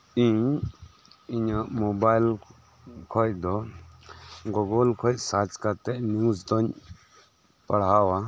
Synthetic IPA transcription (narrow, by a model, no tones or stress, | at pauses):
ĩ | iɲãmobajl | kʰɔjd̪ɔ | ɡɔɡɔlkʰɔjsat͡ʃkat̪ɛʔnuzd̪ɔn | pɐɽ̤awa